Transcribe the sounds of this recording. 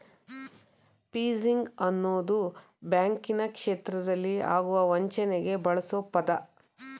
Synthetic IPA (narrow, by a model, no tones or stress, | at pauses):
piːziŋɡɐnːoːd̪u | bjaːŋkinɐkʂeːt̪ɾɐd̪ɐlːia̰ːɡuʋɐʋɐɲt͡ʃɐnɛɡe̞bɐɭɐsopɐd̪ɐ